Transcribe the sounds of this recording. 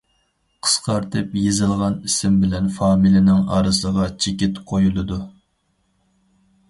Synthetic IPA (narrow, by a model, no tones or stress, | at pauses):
qʰə̥sqɑɾt̪ʰɨpjezɪlˠʁɑnisɪmbɪlɛnfɑːmilɪnɪŋɑ̰ːɾɨsəʁɑt͡ʃʰekʲɪt̪qʰojulˠɨd̪u